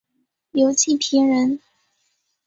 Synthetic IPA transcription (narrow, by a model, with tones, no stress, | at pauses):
ljo˧˥ʊt͡ɕʰi˥˩pʰi˧˥ɻə˧˥n